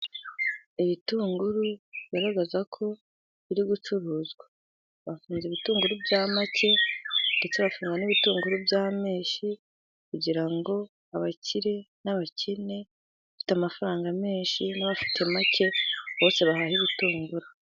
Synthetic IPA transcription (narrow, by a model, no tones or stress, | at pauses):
iβituːŋɡuɾuijaɾaɡazakʰo̞ | βiɾiɡut͡ʃuɾuːzɡwa | βafuːnzeβituːŋɡuɾubɟaːmacʰe̞nde̞t͡seβafuːŋɡaniβituːŋɡuɾubjaːme̞ːʃi | kuɟiɾaŋɡo̞ | aβaciɾe̞naβacʰine̞ | βafi̥tamafaɾaːŋɡame̞ːʃinaβafi̥tʰe̞mace̞βo̞ːse̞βahahiβituːŋɡuɾu